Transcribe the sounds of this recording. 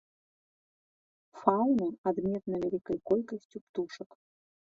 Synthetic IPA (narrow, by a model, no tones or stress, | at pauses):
falnuad̪mʲet̪nɐvʲɛlʲikəjkolʲkəsʲtʲupt̪uʂək